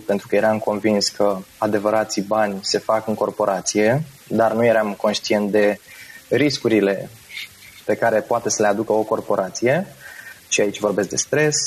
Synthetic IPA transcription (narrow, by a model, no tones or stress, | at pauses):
pe̞nt̪ɾukəje̞ɾamko̞nvinskʰəad̪e̞vəɾat̪sibanʲse̞fakɨŋko̞rpo̞ɾʔat̪sije̞ | d̪arnuje̞ɾamko̞nʃt̪ie̞nt̪̚d̪e̞ɾiskuɾile̞ | pe̞kaɾe̞poat̪e̞səle̞ad̪ukəo̞ko̞rpo̞ɾʔat̪sije̞ʃiait͡ʃʲvo̞rbe̞sk̚d̪e̞st̪ɾe̞s